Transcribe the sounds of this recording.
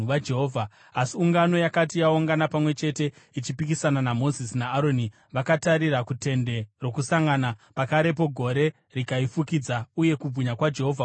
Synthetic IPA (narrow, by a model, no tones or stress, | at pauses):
ʋad͡ʒe̞ɦoːvʱa | asiuŋɡano̞jakatijaoŋɡanapamwe̞t͡ʃe̞te̞ | it͡ʃipikisananamo̞zisnaːɾo̞ni | ʋakataɾirakute̞nde̞ro̞kusaŋɡanapakaɾe̞p̬o̞ɡʱo̞ɾe̞ | rikaifukid͡zauje̞kub͡vʱuɲakwad͡ʒe̞ɦo̞ːvʱa